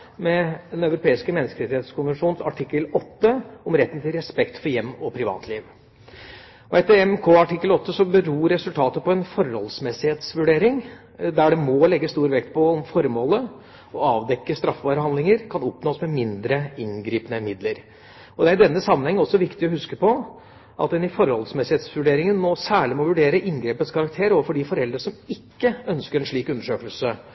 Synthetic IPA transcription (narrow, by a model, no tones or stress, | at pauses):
mɛd̪ɛnɑʉɾʊpʰeːɪskəmɛnːɪskəɾɛt̪ɪheːt̪skʰʊnʋənʂuːnsɑ̰ʈʰɪkːəlɔt̪ːəɔmɾɛt̪ːən̩t̪ɪlɾɛspɛkt̪fɔɾjɛmːɔpʰɾɪʋɑ̰ːt̪ʰliːʋ | ɔɛt̪ːəɾɛmkʰoːɑʈɪkːəlɔt̪ːəsɔbəɾuːɾɛsʉlt̪ʰɑːt̪əpɔɛnfɔɾhɔlsmɛsɪheːt̪sʋʉɖeːɾɪŋ | d̪æɖɛmɔlɛɡːəst̪uːɾʋɛkt̪pʰɔɔmfɔɾmoːlə | ɔɑːʋd̪ɛkːəst̪ɾɑfʋɑːɾəhɑnlɪŋəɾkʰɑnɔpnoːsmɛmɪnd̪ɾəɪnɡɾiːpənəmɪd̪ləɾ | ɔd̪ɛæɾɪd̪ɛnːəsɑmːənhɛŋːɔsːɔʋɪkt̪ɪɔhʉskəpʰɔ | ʔɑ̰t̪̚d̪ɛnɪfɔɾhɔ̰lsmɛsɪheːt̪sʋʉɖeːɾɪŋənmɔsæːɭɪmɔʋʉɖeːɾəʔɪnɡɾeːpət̪skʰɑɾɑkt̪ʰeːɾoːʋəfɔɖɪfɔɾɛld̪ɾəʂɔmɪkːəœnskəɾɛnʂɭiːkʉnd̪əʂøːkəlsə